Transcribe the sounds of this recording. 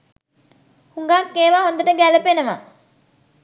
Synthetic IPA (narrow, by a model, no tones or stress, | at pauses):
huŋɡaːkːeːʋaːɦond̪əʈəɡælɐpenəma̰